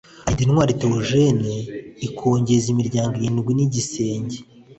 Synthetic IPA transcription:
adinŋwaːɾiteoʒeneikʰoːɲɟezimiɾɟaːŋɡojinɡwiniɟise̞ːɲɟe

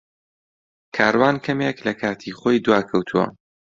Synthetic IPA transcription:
kʰaːɾwaːnkʰɐmeklɐkʰaːt̪ʰiχoːjd̪uwaːkʰɐwt̪ʰuwɐ̰

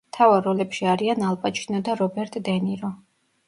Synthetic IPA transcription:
t̪ʰavaɾɔlɛpʃiaɾianalˠpʼat͡ʃʰinɔd̪aɾɔbɛɾt̪ʼd̪ɛniɾɔ

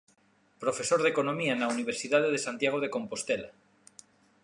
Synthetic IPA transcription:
pɾofe̞soɾðekonomianauniβ̞eɾsiðað̞eðesant̪jaɣ̞oð̞eko̞mpost̪ela̰

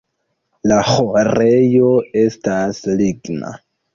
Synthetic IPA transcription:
laxorejoe̞stasliɡna̰

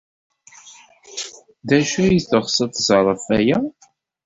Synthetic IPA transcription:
ðæʃæjiθəʁsˤət̪zˤɾˤəfæjæ

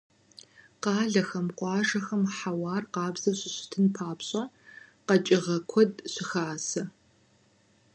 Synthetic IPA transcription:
qɑːɮɐxɐmqʷɑːʒɐxɐmħawɑːrqɑːbz̥ɐɕʼɪɕɪ̥tʰɨnpʰaːpɕʼɐ | qɐt͡ʃʼɪʁɐkʷʰɔdɕɪxaːsɐ

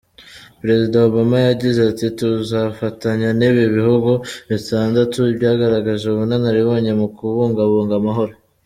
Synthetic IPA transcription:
pɾe̞zidaoβamajaɟizeatituzafataɲaneβiβihuɡoβitʰaːndatuibɟaːɡaɾaɡaʒeuβunanaɾiβo̞ːɲe̞mukuβuːŋɡaβuːŋɡamaɦo̞ɾo

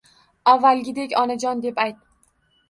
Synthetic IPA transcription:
avːalˠɡʲɪd̪ekʲɒnad͡ʒɒnd̪e̞pajt̪̚

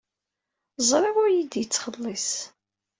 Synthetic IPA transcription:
zˤɾˤɪʁʊɾjid̪jət͡sːχəlˤːis

